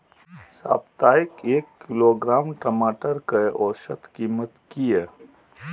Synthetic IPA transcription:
sa̰ːbt̪aːɪkeːkːɪloːɡɾaːmʈəmaːʈəɾkəʔɔːɾʃɐt̪ʰkiːmət̪kieː

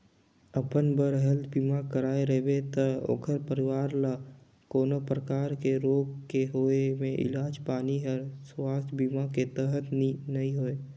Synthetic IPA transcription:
əpənbəɾɦəld̪biːmakəɾaːeɾəɦbet̪əo̰ːkʰəɾpəɾɪwaːɾla | koːnopɾəkaːɾkeɾoːɡkeɦoːemẽʔɪ̰laːd͡ʒpaːniɦəɾswaːst̪ʰbiːmaket̪əɦət̪ninɐɦĩɦoːe

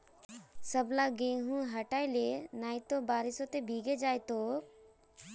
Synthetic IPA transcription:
səblaɡẽːɦũɦɐʈaːilenaːjt̪obaːɾɪsõt̪ebʱiːɡed͡ʒaːjt̪oː

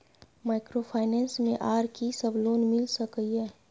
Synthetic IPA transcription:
maːɪkɾopʰaːɪnɛ̃ːnsmẽʔaːɾkisɐbloːnmɪlsɐkəiɦɛː

